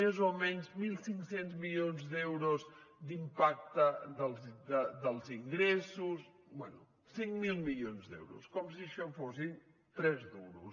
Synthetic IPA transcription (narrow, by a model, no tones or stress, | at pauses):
ezomenuzmilˠsĩŋksẽnt̪zmiʎõnzðewɾuzd̪impak̚t̪ɐðɐlˠzd̪ɐd̪ɐlˠziŋɡɾɛsus | bwɛnṵ | sĩŋkmilˠmiʎonzðḛwɾṵskɔms̬iʃafosĩn | t̪ɾɛzðewɾṵs